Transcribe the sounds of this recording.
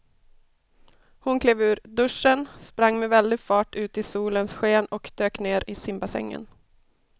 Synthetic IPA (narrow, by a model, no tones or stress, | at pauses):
hʊnkʰleːvʉ̟ːɾd̪ɵʂːənspɾaŋːmɛvɛld̪ɪɡfɑːʈʉ̟ːt̪ɪsuːlənsɧeːnɔkd̪̥øːkneːɾɪsɪmbasɛ̰ŋːə̰n